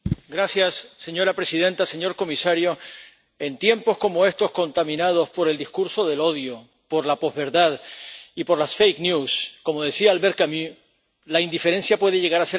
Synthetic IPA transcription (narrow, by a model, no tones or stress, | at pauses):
ɡɾasjasːe̞ɲo̞ɾapɾe̞siðẽ̞nt̪ase̞ɲo̞ɾko̞misaɾjo̞ | e̞nt̪je̞mpo̞sko̞mo̞e̞st̪o̞sko̞nt̪amĩnað̞o̞spo̞ɾe̞ld̪iskuɾso̞ðe̞lo̞ðjo̞ | po̞ɾlapo̞zβe̞ɾðaðipo̞ɾlasfejknjusko̞mo̞ð̞e̞siaːlβe̞ɾkamu | laind̪ife̞ɾe̞nsjapwe̞ð̞e̞ʝe̞ɣaɾase